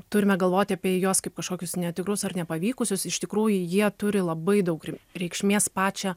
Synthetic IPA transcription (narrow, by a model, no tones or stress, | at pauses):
t̪ʊɾʲɪmʲɛɡɐlˠʋoːt̪ʲɪɐpʲiɛjoːskɐɪp̚kɐʃkoːkʲʊsnʲɛt̪ʲɪkɾʊsɐrnʲɛpɐʋʲiːkʊsʲʊsɪʃt̪ʲɪkɾuːjʊjiɛt̪ʊɾʲɪlˠɐbɐɪd̪ɐʊkrʲɾʲɛɪkʃʲmʲeːspɑːt͡ʃʲɛ